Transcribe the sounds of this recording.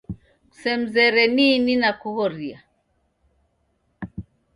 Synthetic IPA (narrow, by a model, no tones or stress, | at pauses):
ku̥sɛm̩zɛɾɛnininakuhɔɾia